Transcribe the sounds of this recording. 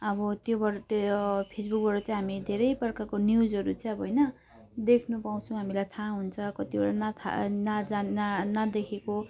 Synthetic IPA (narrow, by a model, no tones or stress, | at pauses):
ʌbʌt̪jobʌt̪pʰesbuk̚bʌɾt͡sʌ̃j̃ɦamid̪ʱeɾʌjpʌrkakonjud͡zɦʌɾut͡sʌ̃ʌbʌɦʌjnʌ | d̪ekʰnupaw̃t͡sʰʌ̃ɦamilajt̪ʰaɦunt͡sʰʌkʌt̪ibʌɽanat̪ʰa̰nad͡zaanad̪ekʰeko